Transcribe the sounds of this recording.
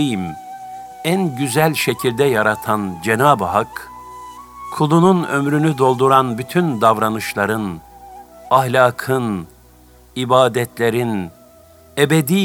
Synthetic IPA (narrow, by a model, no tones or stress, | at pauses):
jim | ænɟyzælʲʃecʰilʲd̪ɛjaɾat̪ʰand͡ʒenaːbɦak | kʰːulˠununø̞̰mɾynyd̪o̞lˠd̪uɾanbyt̪ʰynd̪avɾanɯʃlˠaɾɯn | ahlʲaːkʰɯn | ibaːd̪ɛt̪ʰlʲeɾin | ebed̪i